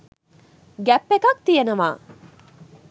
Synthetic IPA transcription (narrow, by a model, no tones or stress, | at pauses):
ɡæpːekɐk̚t̪ijenɐʋa̰ː